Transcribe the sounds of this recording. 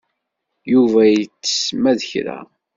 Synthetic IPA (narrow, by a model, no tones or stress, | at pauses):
juvæjət͡sːə̥smæðəçɾæ̰